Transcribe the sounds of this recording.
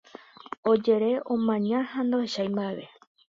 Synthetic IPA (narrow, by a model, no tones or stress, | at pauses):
o̞d͡ʒe̞ɾe̞ʔõmãɲãhand̪oheʃajmbaeβe̞